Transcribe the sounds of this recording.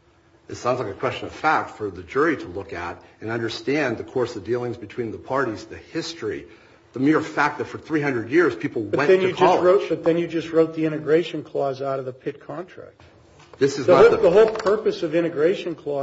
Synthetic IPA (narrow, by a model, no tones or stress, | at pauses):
ɨtsãʊ̃ndzlaɪkɨkʰw̥ɛst͡ʃɨ̃nʌv̥fæk̚tfə˞ðɨd͡ʒʊɹiɾəlʊkɨ̰ɾɨ̃nʌ̃ndə˞stæ̃nðɨkʰɔɹsʌvdilˠɪ̃ŋzbɨtʰw̥ĩnðəpʰɑɹɾizðɨhɪstɹ̥i | ðəmɪɹfæk̪̚ðɨtfə˞θɹiɦʌ̃ndɹɨdjɪɹz̥pʰipl̩ˠwbʌtɛ̃nðɨ̃njɨkʰd͡ʒʌɹoʊt̚b̥ʌt̪̚ðɨ̃njɨd͡ʒʌst̚ɹoʊt̪̚ðiɪ̃ñɨɡɹeɪʃɨ̃nkʰl̥ɔzaʊɾʌvðəpʰɪt̚kʰɑ̃ntʰɹ̥æ̰k̚t̚ | ðɪsɨzðəðəɦoʊlˠpʰɜ˞pɨsʌvɪ̃ɾ̃ɨɡɹeɪʃɨ̃nkʰl̥ɔ